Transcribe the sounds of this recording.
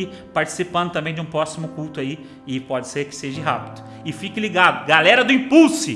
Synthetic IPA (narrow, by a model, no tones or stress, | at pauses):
ɪ | paɾt͡ʃi̥sipɐ̃nd̪ʊt̪ɐ̃bẽj̃d͡ʒɪũpɾɔsimʊkuwt̪ʊai | ɪpɔd͡ʒɪseɾkɪ̥seʒɪɦapɪd̪ʊ | ɪfikɪliɡad̪ʊɡalɛɾɐd̪ʊĩpuwsɪ